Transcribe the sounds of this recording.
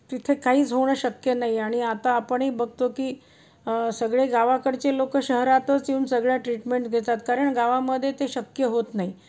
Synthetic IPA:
t̪it̪ʰekaɦiːt͡sɦoɳ̃əɕəkjənaɦiaɽ̃iat̪aːpəɳɦiːbəɡ̚t̪okiː | səɡɭeɡaʋakəɽt͡ɕelokəɕəɦɾat̪ət͡siuːnsəɡɭjaʈɾiʈmeɳʈɡʱet̪at̪kaɾəɳɡaʋaməd̪ʱːjet̪eɕəkjəɦot̪naɦi

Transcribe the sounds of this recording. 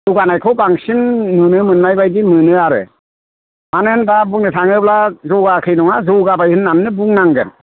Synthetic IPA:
duɡanajkʰɯwbaŋsinːunɯmɯnmajbajdimɯnɯaɾɯ̰ | manɯɯndabuŋnɯtʰaŋɯblazɔɡakʰɯjnɔŋazɔwɡabajhɯnːamnɯbuŋnaŋɡɯ̰n

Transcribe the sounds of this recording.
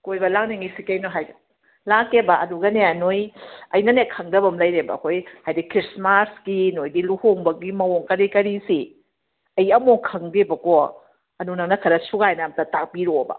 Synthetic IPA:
kojbɐlaŋniŋijsikejnoɦajɡɐ | lakebɐɐduɡɐneanojɐjnɐnekʰɐŋdɐbɐmlɐjɾebɐ̰ːkʰojhajdikɾismasɡinojdiluhoŋbɐɡimɐwoŋkɐɾikɐɾisi | ɐjɐmoŋkʰɐŋdebɐko | ɐnunɐŋnɐkʰɐɾɐsuɡajnamtatak̚piɾobɐ̰

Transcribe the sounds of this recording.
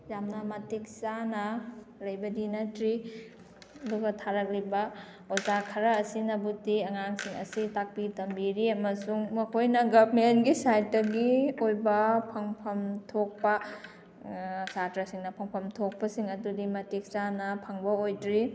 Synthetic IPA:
jamnɐmɐtik̚sanɐlɐjbɐdinɐtɾi | ɐduɡɐtʰaɾɐk̚libɐ | ozakʰɐɾɐːsinɐbutiɐŋaŋsiŋɐ̰sitak̚pitɐmbiɾiɐmɐsuŋmɐkʰojnɐɡɐbmenɡisajt̚dɐɡiojbɐpʰɐŋpʰɐmtʰok̚pɐ | satɾɐsiŋnɐpʰɐŋpʰɐmtʰok̚pɐsiŋɐdudimɐtik̚sanɐpʰɐŋbɐojdɾi

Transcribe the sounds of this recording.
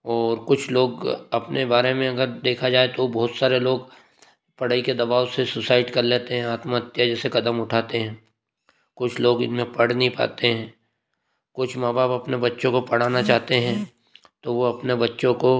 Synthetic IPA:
ɔːɾkʊt͡ʃʰloːɡɐpnebaːɾemẽɐɡəɾd̪eːkʰad͡ʒaːet̪obɔːʊt̪saːɾeloːɡ | pɐɽ̤aːiked̪ɐbaːʊsesʊsaːɪʈkɐɾleːt̪eɦɛ̃aːt̪maət̪jad͡ʒɛːsekɐd̪əmʊʈʰaːt̪eɦɛ̃ː | kʊt͡ʃʰloːɡɪ̰nmẽpɐɽ̤nəĩpa̰ːt̪eɦɛ̃ː | kʊt͡ʃʰmaːbaːpɐpnebɐtːʃõkopɐɽ̤aːnat͡ʃaːɦt̪eɦɛ̃ | t̪oʋoɐpnebɐtːʃõko

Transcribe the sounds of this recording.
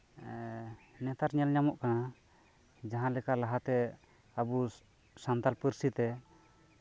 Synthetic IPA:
nɛt̪aɾɲɛlɲamɔʔkana | d͡ʒaɦãlɛkaʔlaɦat̪ɛ | abu | sant̪alpəɾsit̪ɛ

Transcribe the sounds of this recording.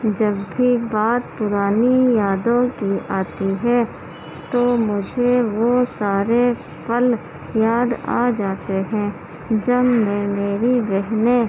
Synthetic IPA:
d͡ʒɐbːʱibaːt̪pʊɾaːnijaːd̪õkiaːt̪iɦɛ̃ | t̪oːmʊd͡ʒʱeʋosaːɾe | pəl | jaːd̪a̰ːd͡ʒaːt̪eɦɛ̃ | d͡ʒɐbmẽmeːɾibɛɦne

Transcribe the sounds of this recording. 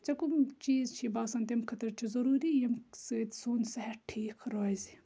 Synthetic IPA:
t͡sɐkumt͡ʃiːzt͡ʃʰibaːsɐːnt̪ɐmkʰɐt̪ɐɾt͡ʃʰizɐɾuːɾijɐmsɨt̪suːnsɐɦɛʈʰiːkʰɾoːzi

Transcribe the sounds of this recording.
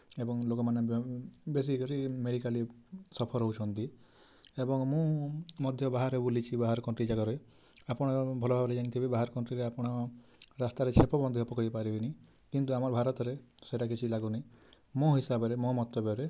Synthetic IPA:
ebɔŋlokɔmanebes̬ikɔɾimeɽikali | sɔpʰɔɾɦout͡ʃʰɔnt̪i | ebɔŋmũmɔd̪ʱjɔbaɦaɾɦebulit͡ʃʰibaɦaɾkɔɳʈɾid͡ʒaɡɔɾe | apɔɽ̃ɔbʱɔlɔbʱabɔɾed͡ʒaɽ̃it̪ʰibebaɦaɾkɔɳʈɾiɾeapɔɽ̃ɔɾast̪aɾet͡ʃʰepɔbɔnd̪iɦɔpɔkɔipaɾibini | kint̪uamɔɾbʱaɾɔt̪ɔɾeseʈakit͡ʃʰilaɡuni | mõɦisabɔɾemɔ̃mɔt̪ːɔbjɔɾe

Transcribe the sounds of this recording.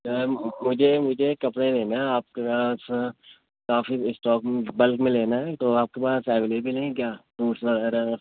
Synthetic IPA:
mʊd͡ʒʱemʊd͡ʒʱekɐpɽelẽnaaːp̚kepaːs | kaːfisʈɔːkm̃bɐlkmẽleːnaɦɛːt̪oaːp̚kepaːsɛːʋeːleːbilẽkjaːpuːʈsʋɐɛɾa

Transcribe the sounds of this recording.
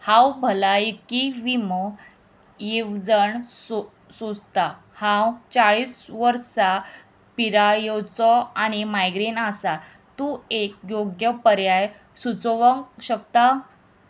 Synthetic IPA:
hãwbʱəlaikiʋimə | jiwd͡zəɳso | sod͡zt̪a | hãwt͡saɭiːsʋəɾsa | piɾajot͡sɔañimajɡɾinasa | t̪uekjoɡjəpəɾjaj | sut͡sʋəŋɕəkt̪a

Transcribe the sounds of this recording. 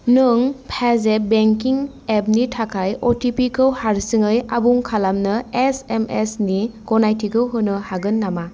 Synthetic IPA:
nɯŋpʰezebeŋkiŋ | ep̚nitʰakʰajɔtipikʰɯwhaɾsiŋɯjabuŋkʰalamnɯesemesniɡ̥ɔnajtʰikʰɯwɦɯnɯhaɡɯnːama

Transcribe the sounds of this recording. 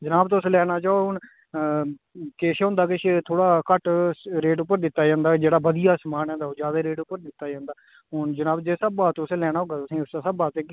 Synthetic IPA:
d͡ʒənaːbt̪oʊslɛːɽaːt͡ʃaːoɦʊɳ | keːʃeɦʊ̃nd̪aːkɪʃet̪ʰoːɽaːkəʈɾeːʈʊpːəɾd̪ɪt̪ːaːd͡ʒãːnd̪aːd͡ʒeːɽaːbəd̪ijaːsmaːnɛ̃ːd̪aːoːd͡ʒaːd̪aːɾeːʈʊpːəɾd̪ɪt̪ːaːd͡ʒãːnd̪aː | ɦʊːɳd͡ʒənaːbd͡ʒeːsəbaːt̪ːselɛːɽ̃aːɦoːɡaːt̪ʊsĩːʊsaːsəbaːt̪ẽːk

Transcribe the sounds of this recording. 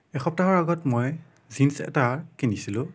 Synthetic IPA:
ɛxɔp̚taɦɔɹaɡɔtmoj | zinsɛ̰takenisilʊ̃

